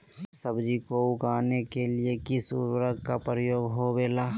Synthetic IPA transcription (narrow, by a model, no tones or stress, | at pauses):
səbd͡ʒikoʊkaːnekeliekɪsuwəɾəkkapɾəjoːɡɦobeːlaː